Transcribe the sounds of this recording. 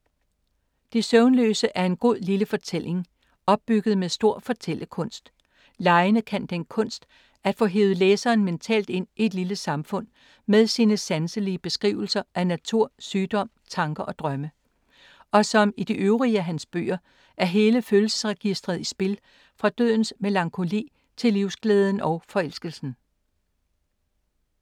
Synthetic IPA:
d̥esøʊnlø̰ːsəʔæɐe̝nɡ̥o̝ð̰ˠliləfɒ̽t͡sʰel̰e̝ŋ | ɒ̽b̥̚ːyɡ̥ð̞̩ˠmeðˠsd̥o̝ɐ̰fɒ̽t͡sʰel̰əkʰɔ̽n̰sd̥ | lɑ̈ɪənəkʰænd̥enkʰɔ̽n̰sd̥ | æd̥fɔ̰̽ːɦe̝̰ːʊð̩ˠleːsɐːnment͡sʰɛ̰ːld̥e̝n̰ie̝d̥liləsɑ̈mfɔ̽n̰ | meðˠsiːnəsænsəliəb̥e̝sɡ̥ʁḭːʊl̩sɐʔænæt͡sʰuɐ̰syːd̥ɒ̽m̰t͡sʰɑ̈ŋɡ̥ɐʔɒ̽d̥ʁɶmə | ʔɒ̽sɒ̽mid̥iʔøʊʁiæɦænsb̥ø̰ːɐ | ʔæɐɦe̝ːləføːlsə̥sʁɛɡ̥isd̥ʁɐðˠisb̥e̝l | fʁɑ̈d̥ø̰ð̰ˠn̩smelɑ̈ŋkʰo̝lḭː | t͡sʰe̝liʊsɡ̥leːð̞ˠən̩ɒ̽ʊfɒ̽el̰sɡ̥əl̩sn̩

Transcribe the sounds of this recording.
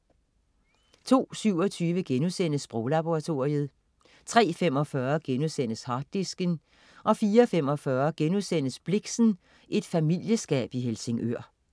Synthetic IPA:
t͡sʰo̝̰ːsyʊɒ̽t͡sʰyːʋəɡ̥enusen̰əsb̥ʁoːlɑb̥o̝ʁɑ̈t͡sʰo̝ɐið̞̩ˠ | t͡sʰʁɛ̰ːfem̰ɒ̽fɶɐɡ̥enusen̰əshɑ̈d̥ːisɡ̥ən | ʔɒ̽fiːɐfem̰ɒ̽fɶɐɡ̥enusen̰əsb̥le̝ɡ̥sn̩ | ʔe̝d̥fæmil̰jəsɡ̥ɛ̰ːb̥iɦelse̝ŋʔøɐ̰

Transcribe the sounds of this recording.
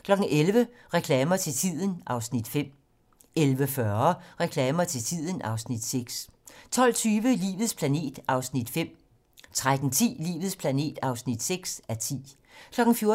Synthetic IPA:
kʰlɒ̽ɡ̥ŋ̩ʔelʋə | ʁɛkʰlɛːmɐt͡sʰe̝lt͡sʰið̰ˠən̩ʔɑ̈ʊsnid̥fem̰ | elʋəfɶɐɐʁɛkʰlɛːmɐt͡sʰe̝lt͡sʰið̞̰ˠən̩ʔɑ̈ʊsnid̥seɡ̥s | t͡sʰɒ̽l̰t͡sʰyːʋəlḭːʋð̞̩ˠspʰlæne̝̰ːd̥ɑ̈ʊsnid̥fem̰ | t͡sʰʁad̥n̩t͡sʰḭːlḭːʋð̩ˠspʰlæne̝̰ːd̥ɑ̈ʊsnid̥seɡ̥sæt͡sʰḭː | kʰlɒ̽ɡ̥ŋ̩fjo̝ɐ

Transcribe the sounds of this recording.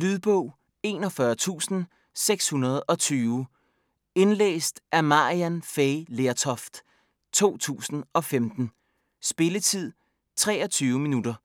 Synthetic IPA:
lyðˠb̥ɔʊ̰ | e̝ːnɒ̽fɶɐt͡sʰṵːsn̩ | seɡ̥shunɐð̞ˠɒ̽t͡sʰyːʊ | e̝nlḛːsd̥ʔæɐmɑ̈iænfeɪleɐt͡sʰɒfd̥ | t͡sʰo̝̰ːt͡sʰṵːsn̩ɒ̽femd̥n̩ | sb̥e̝lət͡sʰið̞̰ˠ | t͡sʰʁɛ̰ːɒ̽t͡sʰyːʊminudɐ

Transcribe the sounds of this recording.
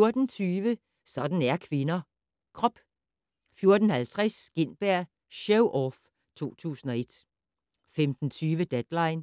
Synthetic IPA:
o̝ɐd̥n̩t͡sʰyːʋə | sɒ̽d̥n̩æɐkʰʋe̝nɐ | kʰʁɒ̽b̥ | fjo̝ɐd̥n̩hælt͡sʰʁɛsɡ̥e̝n̰b̥æɐ̰ | ɕeʊʔɒf | t͡sʰo̝̰ːt͡sʰṵːsn̩ɒ̽e̝d̥ | femd̥n̩t͡sʰyːʋəd̥ed̥lɑ̈ɪn

